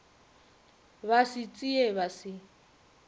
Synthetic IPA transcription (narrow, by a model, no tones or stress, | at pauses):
βasɪt͡sʼieβasɪ